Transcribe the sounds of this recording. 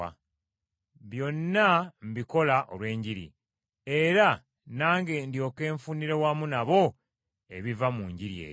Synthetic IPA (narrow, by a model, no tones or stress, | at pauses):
a̰ | βjo̞nːam̩biko̞laʔo̰lwe̞ːɲɟiɾḭ | e̞ɾa | naːŋɡe̞ːndjo̞ːke̞ːɱfuniɾe̞wamunaβo̞ | e̞βivamuɲɟiɾjḛː